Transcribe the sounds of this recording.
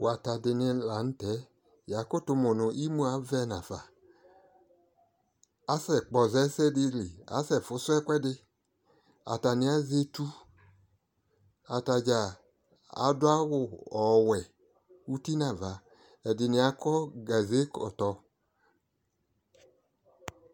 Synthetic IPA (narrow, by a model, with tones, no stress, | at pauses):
wa˨ta˨dɪ˧nɪ˧la˨˦n̩˦tɛ˨˦ | ja˨˦ko˦˨tu˧mu˨nʊ˨ʔi˦mu˦a˨˦vɛ˧˦na˨v̥a˨ | a˦sɛ˨k͡pɔ˨zɛ˨˦sɛ˦di˧li˨a̰˨˦sɛ˦˨fʊ˨˦sʊ˦ɛ˦kʷɛ˦dɪ˧ | a̰˨ta˨ni˧˦a˦ze˧tu˦ | a˨ta˨d͡ʒa˨ | a̰˨˦dʊ˦a˦wʊ˨ɔ˨wɛ˨ | u˦ti˦na˨va˨ | ɛ˨dɪ˨ni˧˦a˧˦kɔ˦ɡa˨ze˦kɔ̰˨tɔ˧